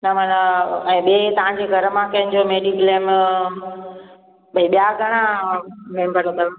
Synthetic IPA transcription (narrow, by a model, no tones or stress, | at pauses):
nɐmanaɛ̃ːɓiet̪ɐʋ̤ãɲd͡ʑeɡʱɐɾəmãkɐɦɪnɪ̆d͡ʑomeːɖiklem | ɓɐĩɓijaɡʱɐɽ̃ãmẽːmbəɾokɐɾ